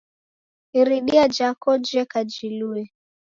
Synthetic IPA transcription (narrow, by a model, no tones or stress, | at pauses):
iɾiɗiad͡ʒakɔd͡ʒɛkad͡ʒiluɛ